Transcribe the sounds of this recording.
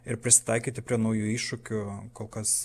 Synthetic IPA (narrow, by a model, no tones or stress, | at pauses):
ɪɾpʲɾʲɪsʲɪ̥t̪ɑɪkʲiːt̪ʲɪpʲɾʲiɛnɐʊjuːiːʃʊkʲʊkoːlˠkɐs